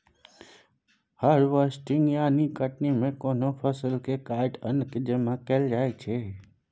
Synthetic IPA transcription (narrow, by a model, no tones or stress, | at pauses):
həɾʋəsʈɪŋɡjãnikəʈnimẽkonopʰəsəlkekajʈənkd͡ʒemãkeld͡ʒajt͡ʃʰe